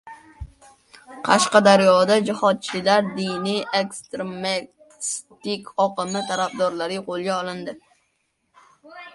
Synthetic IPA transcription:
qʰɑʃqɑd̪aɾjɒd̪ad͡ʒɪhɒd̪̚t͡ʃʰɪlaɾd̪ɪnijekst̪ɾeme | st̪ɪkʲʰɒqɨmɪt̪ʰaɾafd̪ɒɾlaɾɪjqʰolˠɡʲaɒlˠɪnd̪ɪ

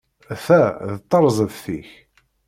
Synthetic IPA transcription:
fæðət̪ˤːəɾˤzˤəðθiç

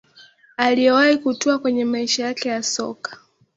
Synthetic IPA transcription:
aliɛwaikutuakwɛɲɛmaiʃajakɛjasɔ̰kḁ

